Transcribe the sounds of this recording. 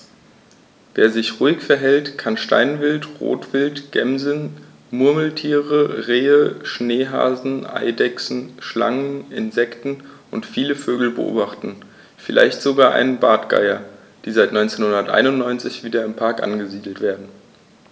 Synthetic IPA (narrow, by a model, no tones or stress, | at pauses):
veːɐzɪçʁuɪçfɛɐɦɛltkʰanʃta̰ɪnvɪltʁo̰ːtv̥ɪltɡ̥ɛmzn̩ | mʊɐml̩tʰiːʁəʁeːəʃneːɦa̰ːzn̩ʔa̰ɪdɛksn̩ʃla̰ŋənɪ̰nzɛktn̩ʔʊntfiːləføːɡl̩bə̰ʔo̰ːbaχtn̩ | fɪlʔa̰ɪçtz̥oɡaːɐʔa̰ɪnənbaːtɡ̥a̰ɪɐ | d̥iːzaɪtnɔʏnt͡seːnhʊndɐtʔa̰ɪnʊntnɔʏnt͡sɪçv̥iːdɐɪmpʰaɐkʔa̰nɡəziːdl̩tv̥eːɐdn̩